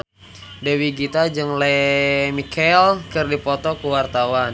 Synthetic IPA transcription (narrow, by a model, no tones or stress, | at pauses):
dɛwiɡit̪ad͡ʒɨŋlɛmikɛlkərdipɔt̪ɔkuwart̪awan